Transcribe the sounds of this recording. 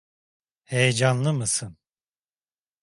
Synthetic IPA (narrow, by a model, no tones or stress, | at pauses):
hejɛd͡ʒanlˠɯmɯsɯn